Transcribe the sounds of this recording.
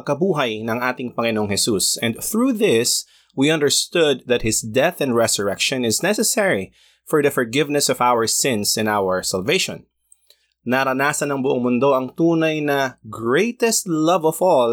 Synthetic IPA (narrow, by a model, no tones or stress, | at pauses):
kɐbuːɦɐjnɐŋʔaːt̪ɪŋpɐŋɪnoŋhɛsusɛ̃nd̪θɹuːðɪs | wiɐ̃nd̪ɛɹst̪ʊd̪̚ðɐt̪̚hɪsd̪ɛθɛ̃nd̪ɹɛsɔɹɛkʃɔ̃nɪznɛsɛsɛɹi | fɔɹðɐfɔɹɡɪvnɛsɔvawəɹsɪ̃nsɪ̃nawəɹsɐlveɪʃɔ̰̃nː | ɐɾɐnaːsɐnɐŋbʊʔoŋmʊnd̪o̞ʔɐŋt̪uːnɐjnɐɡɹejt̪ɛst̪lɐvɔvɔl